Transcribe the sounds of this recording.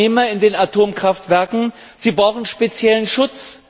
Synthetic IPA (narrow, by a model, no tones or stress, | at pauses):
eːmɐɪndeːnatʰoːmkʁ̥aftv̥ɛɐkŋ̩ | z̥iːbʁaʊxn̩ʃpet͡sjɛlənʃʊt͡s